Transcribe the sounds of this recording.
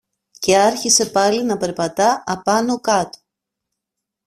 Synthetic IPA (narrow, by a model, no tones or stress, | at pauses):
ce̞ɐɾçise̞pɐlinɐpe̞ɾpɐt̪ɐɐpɐnokɐt̪o̥